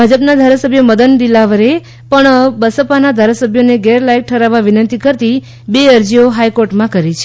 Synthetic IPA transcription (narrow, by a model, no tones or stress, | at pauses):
bʱad͡ʒəpnad̪ʱaɾasəbʱjəməd̪ənd̪ilaʋəɾe | pəɳbəsəpanad̪ʱaɾasəbʱjoneɡeɾlajk̚ʈʰəɾaʋaʋinənt̪ikəɾt̪i | beəɾd͡ʒioɦajkoɾʈmãkəɾit͡ʃʰe